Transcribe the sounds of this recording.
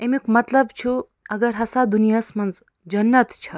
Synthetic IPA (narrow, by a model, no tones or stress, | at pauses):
emikmɐt̪lɐbt͡ʃʰu | ɐɡɐɾɦɐsad̪unijasmɐnz | d͡ʒɐnːɐt̪t͡ʃʰɐ